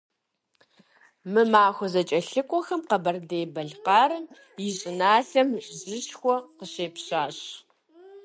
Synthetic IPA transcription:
mɨmaːxʷɔzɐt͡ʃʼɐɬɨkʷʼɔxɐmqɐbɐrdeːbɐɮqɑːɾɨm | jɪɕʼɪnaːɬɐmɕʼzɪʃxʷɔqəɕeːpɕaːɕ

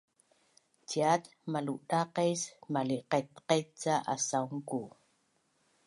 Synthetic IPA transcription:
t͡ʃiat̪ | maluʔɗaqesmaliqet̪qet͡saʔa̰sauŋku

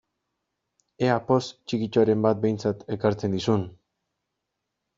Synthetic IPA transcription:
e̞apo̞st͡ʃikit͡ʃoaɾe̞mbat̪̚be̞jnt͡sat̪e̞kaɾt͡se̞nd̪isun

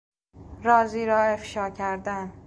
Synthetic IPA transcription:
ɾɒːziːɾɒːe̞fʃɒːcʰæɾd̪æn

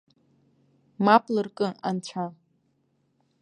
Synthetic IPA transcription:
mapʰʼlɨrkʼɨa̰nt͡ɕʷʰa

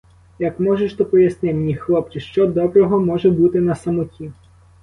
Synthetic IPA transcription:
jɐkmɔʒeʃt̪ɔpɔjɐsnɪmnʲixlˠɔp̚t͡ʃʲiʃt͡ʃɔd̪ɔbɾɔɦɔmɔʒɛbut̪ɪnɐsɐmɔtʲʰi

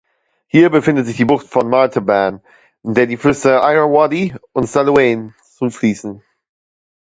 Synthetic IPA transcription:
hiːɐbəfɪndətz̥ɪçd̥iːbʊχtfɔnmaːtʰəbaːn | ɪnd̥eːɐdiːfɪsəʔaɪənwɔdiʊntsalueːn | t͡sufliːsn̩

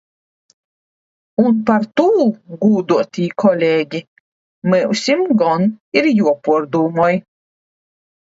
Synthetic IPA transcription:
unpaɾt̪uːɡuːd̪uɔt̪ʲiːkʰɔlʲeːɡʲi | mɛwsʲimɡɔniɾjuɔpuɔɾd̪uːmɔj

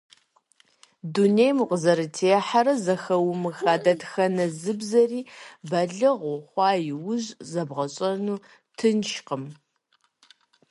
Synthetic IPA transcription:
dunejmuqʷʼəzɐɾɨtʰeːħaɾɐzɐxɐwmɨxaːdɐtxɐnɐzɨbzɐriːbɐɮɨʁʷʊχʷɑːjɪwʊʑzɐbʁɐɕʼɐnuː | tʰɨnʃqəm

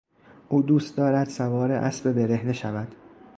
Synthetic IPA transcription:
ʔuːd̪uːst̪̚d̪ɒːɾæd̪̥sævɒːɾeʔæ̰sbe̞be̞ɾe̞hne̞ʃævæd̪̥

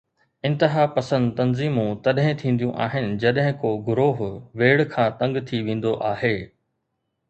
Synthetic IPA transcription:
ɪ̃nt̪ɪɦaːpɐsə̃nd̪t̪ɐnziːmũt̪ɐɗɦɪ̃t̪ʰĩːn̆d̪jũʔaːɦɪnɪ̆d͡ʑɐɗɦɪ̃koːɡʊɾoːɦʋeːɽkʰãːt̪ɐ̃ŋɡt̪ʰiʋẽːn̆d̪oʔaːɦeː

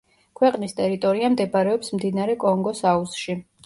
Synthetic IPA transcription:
kʰwɛqʼnist̪ʼɛɾit̪ʼɔɾiamd̪ɛbaɾɛɔpsmd̪inaɾɛkʼɔŋɡɔsausʃi

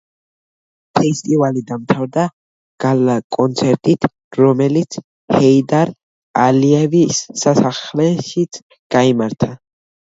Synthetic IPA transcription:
pʰɛst̪ʼivalid̪amt̪ʰavɾd̪a | ɡ̥alakʼɔnt̪sʰɛɾt̪ʼit̪ʰ | ɾɔmɛlit̪sʰ | hɛid̪aɾ | aliɛvisːasaχlɛʃit̪sʰ | ɡ̥aimaɾt̪ʰa

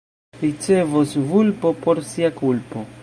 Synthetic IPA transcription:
ɾit͡se̞vosvulpo̞po̞ɾsiakulpo̞

